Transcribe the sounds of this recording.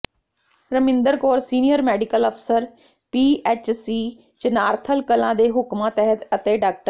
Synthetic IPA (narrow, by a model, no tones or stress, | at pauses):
ɾəmɪ̃nd̪əɾkoːɾsiːnijəɾmɛːɖɪkələpʰsəɾ | piːeːt͡ʃsiː | t͡ʃənaːɾt̪ʰəlkəlãːd̪eːɦʊkmãːt̪ɛɦət̪ət̪eːɖaːk̚ʈəɾ